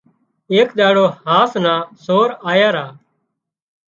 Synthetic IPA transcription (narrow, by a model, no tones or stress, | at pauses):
eːkɗ̪aːɽoːhaːsnãːsoːɾaːjaːɾaː